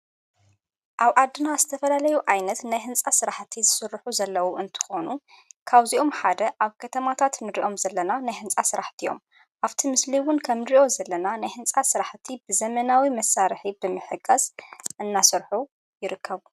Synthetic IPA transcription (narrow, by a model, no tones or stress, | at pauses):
ʔaβʔad̪ːɨnazɨt̪ʰɐfɐlalɐjuʔajnɐt̪najɦɨnt͡sʼasɨɾaħt̪ʰizɨsɨɾːħuzɐlːɐwuɨnt̪ʰɨ̥xo̞nu | kʰaβziʔo̞mħad̪ɐʔaβkʰɐt̪ʰɐmat̪ʰat̪nɨɾiʔo̞mzɐlːɐnanajhɨnt͡sʼasɨɾaħt̪ʰijo̞̰m | ʔaβt̪ʰimɨsliwʊnkʰɐmɾiʔo̞zɐlːɐnanajhɨnt͡sʼasɨɾaħt̪ʰibɨzɐmɐnawimɐsaɾħibɨmɨħɨɡʼɐzʔɨnːasɨɾħu | jɪɾɨkʰːɐβu